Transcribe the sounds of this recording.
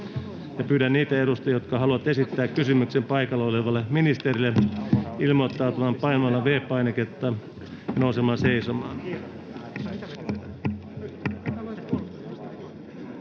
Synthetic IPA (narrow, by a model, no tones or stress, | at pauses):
jɑpyːɾænniːt̪æeɾust̪ɑjot̪kɑhɑluɑt̪esit̪ːæːkkysymyksempɑikɑlːeoleʋɑlːeminist̪erilːeilmot̪ːɑut̪ɑmɑmpɑinmɑlːɑʋeːpːɑinɑket̪ːɑ | jɑnousemɑːseisomɑːn